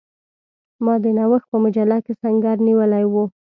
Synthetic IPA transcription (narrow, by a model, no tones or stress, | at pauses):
mɑd̪ənawəxpəmʊd͡ʒalːakesaŋɡaɾniwəlajwu